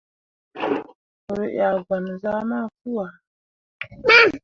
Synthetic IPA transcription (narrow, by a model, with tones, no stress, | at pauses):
ə˨ɾə˨ʔja˨ɡa˨n˨za˦ma˦˨fu˦wa˨˦